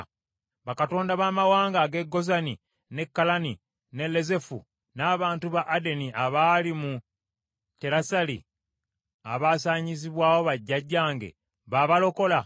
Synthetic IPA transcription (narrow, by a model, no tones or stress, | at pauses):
βakato̞ːndaβaːmawaːŋɡaːɡe̞ɡːo̞zani | ne̞kːalani | ne̞lːe̞ze̞fṵ | naːβaːntuβaʔːde̞niaβaːlimu | te̞ɾasalḭ | a̰βaːsaːɲiziβwaːwo̞βaɟːaɟːaːŋɡe̞̰ | βaβalo̞ko̞la